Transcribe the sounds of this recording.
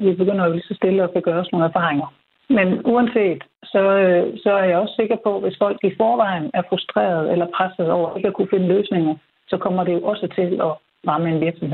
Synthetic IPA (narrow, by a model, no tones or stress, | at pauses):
ʋib̥e̝ɡ̥øn̰ɐjo̝lisɒ̽sd̥e̝ləɒ̽kʰæɡ̥ɶːɐɒ̽sno̝ːn̩æɐfɑ̈ːʁeŋɐ | menuænse̝̰ːd̥sɒ̽øsɒ̽æɐjɑɒ̽sse̝ɡ̥ɐpʰɒ̽ʋe̝sfɒ̽l̰ɡ̥ifɒːʋɑ̈ɪn̩æɐfʁusd̥ʁɛ̰ːɐð̞ˠelɐpʰʁasð̩ˠɒʊ̰ɐʔe̝ɡ̥əɒkʰufe̝nəløːsne̝ŋɐð̩ˠ | sɒ̽kʰɒ̽m̰ɐde̝jo̝ʔɒ̽sət͡sʰe̝lɒ̽ | ʁɑ̈ːməe̝nʋiɐɡ̥sɒ̽mhḛ